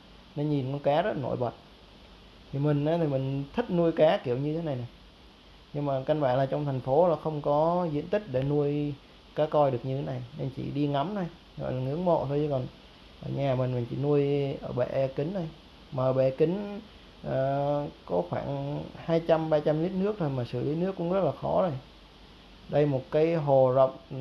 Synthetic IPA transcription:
ne˧nɲi˨˩nkɔ˧˦nkaː˨˦zə˦˥no̰˧˩˨jɓə̰˨˩t̚ | t̪ʰi˨˩mï˨˩ŋ̟ʔaː˨˦t̪ʰi˨˩mï˨˩ŋ̟t̪ʰi˦˥t̚nu˧əjkaː˨˦ki˧˩əwɲɨ˧t̪ʰe˨˦na˨˩jna˨˩j | ɲɨ˧ŋmaː˨˩ka˧nɓaː˧˩nlaː˨˩t͡ɕɔ˧wŋ͡mt̪ʰɛ˨˩jŋ̟fo˨˦laː˨˩xə˧wŋ͡mkɔ˨˦zḭ˧˥ənt̪ï˦˥k̟̚ɗe˧˩nu˧əj | kaː˨˦kɔ˧jɗɨ˨˩ək̚ɲɨ˧t̪ʰe˨˦na˨˩jne˧nt͡ɕḭ˧˩ɗi˧ŋa˨˦mt̪ə˧j | hɔ̰˧˨laː˨˩ŋɨ̰˧˦əŋmo̰˧˨t̪ʰo˧jt͡ɕə˧˦kɔ˨˩n | ʔəː˧˩ɲaː˨˩mï˨˩ŋ̟mi˨˩ŋ̟t͡ɕḭ˧˩nu˧əjʔəː˧˩ɓḛ˧˩ʔkï˨˦ŋ̟t̪ʰo˧j | maː˨˩ʔəː˧˩ɓɛ̰˧˨˩kï˨˦ŋ̟ | ʔəː˨˩kɔ˨˦xwaː˧˩nhaː˧jt͡ɕa˧mɓaː˧t͡ɕa˧mli˦˥t̚nɨ˦˥ək̚t̪ʰo˧jmaː˨˩sɨ˧˩li˨˦nɨ˦˥əkːʊ̰˧˥ŋ͡mzə˦˥t̚laː˨˩xɔ̰˨˦zo˨˧˩j | ɗə˧jmo˨˩t̚kaː˨˦jɦo˨˩zə̰˧˨wŋ͡m

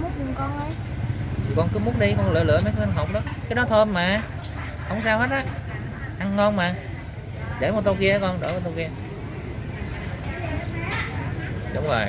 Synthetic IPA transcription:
m˦˥t̚ɲʊ˨˩ŋ͡mkɔ˧nə˨˦j | kɔ˧nkɨ˨˦˥mu˦ənɗi˧kɔ˧nlɨ̰˧˨əlɨ̰˧˨əma˨˦jkːə˧nɦo˨˩wk͡p̚ɗɔ˨˦kaː˨˦jɗɔ˨˦t̪ʰo˧mmaː˨˩ | hə˧wŋ͡ms̬aː˧whe˦˥t̚ʔaː˨˦ | ha˧ŋːɔ˧nmaː˨˩ | ɗe˧˩mo˨˩t̚t̪o˧wki˧a˨˦kɔ˧nɗo̰˧˩mo˨˩t̪o˧wki˧ə˧ | ɗʊ˨˦ŋ͡mzo˨˩j

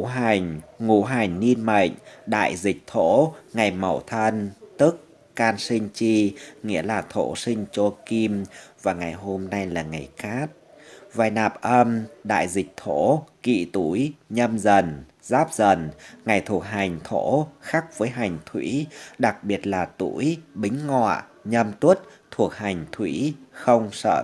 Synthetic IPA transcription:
ɦa˨˩jŋ̟ŋu˧˩ɦa˨˩jŋ̟ni˧nmə̰˧˨jŋ̟ɗa̰ː˧˨jzï˨˩k̚t̪ʰo̰˧˥ŋa˨˩jmə˨˩wt̪ʰə˧nt̪ɨ˦˥k̚ː | aː˧nsï˧ŋ̟t͡ɕi˧ŋḭ˧˥əlaː˨˩t̪ʰo̰˧˩˥si˧ŋ̟t͡ɕo˧ki˧mvaː˨˩ŋa˨˩jɦo˧mna˧jlaː˨˩ŋa˨˩jxaː˦˥k̚ | vaː˨˩jnaː˨˩p̚ʔə˧mɗa̰ː˧˨jzï˨˩k̟̚t̪ʰo̰˧˥kḭ˧˨t̪u˧˩jɲə˧mzə˨˩n | zaː˦˥p̚zə˨˩nŋa˨˩jt̪ʰu˨˩ək̚ɦa˨˩jŋ̟t̪ʰo̰˧˥xa˦˥k̚vəː˨˦jɦa˨˩jŋ̟t̪ʰwḭ˧˥ɗa˨˩k̚ɓi˨˩ət̚laː˨˩t̪ṵ˧˥jɓï˨˦ŋ̟ŋɔ̰˧˨ | ɲə˧mt̪wu˦˥ət̚t̪ʰu˨˩ək̚ha˨˩jŋ̟t̪ʰwḭ˧˥xə˧wŋ͡msə̰ː˧˨

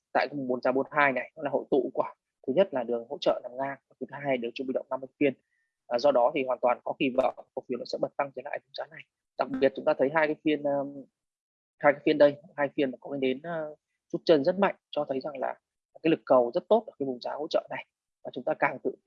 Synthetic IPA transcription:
t̪a̰ː˧˨jkaː˨˦jm̚˨˩ɓo˨˩˦nzaː˨˦ɓo˧nɦaː˧jna˨˩jnɔ˨˦la˨˩ho̰˧˨jt̪ṵ˧˨kwaː˧˩ | t̪ʰɨ˨˦ɲə˦˥t̚laː˨˩ɗɨ˨˩əŋho̰˧˥t͡ɕə̰ː˧˨naː˨˩mŋaː˧ŋ̚ː˨˩t͡ɕɨ˨˦t̪ʰaa˧a˨˩ɗe˨˩wt͡ɕɔ˧ŋ͡mɓḭ˧ɗə̰˧˨wŋ͡mna˧mɨ˧˩fi˧ənː˨˩ | zɔ˧ɗɔ˨˦t̪ʰi˨˩hwaː˨˩nt̪waː˨˩nkɔ˨˦xi˧˩və̰ː˧˨˩k̚fi˨˦ənɔ̰˧˦sɛ̰˧˥ɓə˨˩t̚t̪a˧ŋt͡ɕə˨˦la̰ː˧˨jɓo˨˦nzaː˨˦na˨˩j | ɗa˨˩k̚ɓi˨˩ət̚t͡ɕʊ˨˦ŋ͡mt̪aː˧t̪ʰə˨˦jɦaː˧jkaː˨˦jfi˧ənː˧ | haː˧jkaː˨˦jfi˧ənɗə˧jɦaː˧jfi˧ənmaː˨˩kɔ˨˦i˨˧˦ɗe˨˦nː˨˧ | t͡ɕu˦˥t̚t͡ɕə˧nzə˦˥t̚ma̰˧˨jŋ̟t͡ɕɔ˧t̪ʰə˨˦jza˨˩ŋla̰ː˨˩ | kaː˨˦jlɨ˨˩kːə˨˩wzə˦˥t̚t̪o˦˥t̚ə˨˩kaː˨˦jɓo˨˩nzaː˨˦ho̰˧˥t͡ɕə̰ː˧˨na˨˩j | vaː˨˩t͡ɕʊ˨˦ŋ͡mt̪aː˧kaː˨˩ŋt̪ɨ̰˧˨

